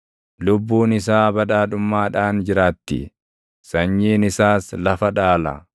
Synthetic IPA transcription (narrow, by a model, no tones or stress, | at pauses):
lʊbːuːnɪsaːbɐᶑaːᶑʊmːaːᶑaːnd͡ʒɪɾaːt̪ːɪ̰ | sɐɲːiːnɪsaːslɐfɐᶑaːlɐ̰